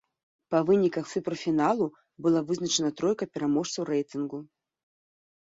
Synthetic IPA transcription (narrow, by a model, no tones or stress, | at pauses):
pɐvɨnʲikɐxt̪sɨpɾɐfʲinalˠu | bɨlˠavɨznɐt͡ʂɛnɐt̪ɾɔjkɐpʲɛɾamɔʂt̪sɐwɾɛjt̪ɨnɡu